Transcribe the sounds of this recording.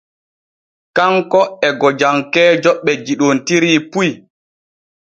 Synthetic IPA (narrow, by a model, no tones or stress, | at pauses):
kaŋkɔɛɡɔd͡ʒaŋkɛːd͡ʒɔɓːɛd͡ʒiɗontiɾiːpuj